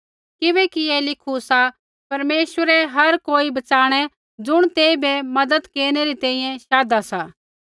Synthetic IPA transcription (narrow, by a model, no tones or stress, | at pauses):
kɪbɛkielɪkʰusa | pɐɾmeːʃwəɾɛɦɐɾkoːibɐt͡ʃaːɽ̃ɛ | d͡zʊɽ̃t̪eːibɛmɐd̪əd̪keːñeɾit̪ɛ̃ːĩːjɛ̃ʃaːd̪asaː